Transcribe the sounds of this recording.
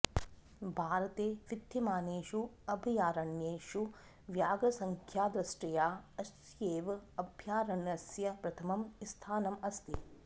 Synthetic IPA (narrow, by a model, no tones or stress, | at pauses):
bʱaːɾɐt̪eːʋit̪jimaːneːʃuɐbʱijaːɾɐɳjeːʃu | ʋjaːɡɐsɐŋkʰjaːd̪ɾɐsʈɐjaːɐs | jeːʋɐbʱjaːɾɐɳjɐsjɐpɾɐt̪ʰɐmɐmist̪ʰaːnɐmɐst̪i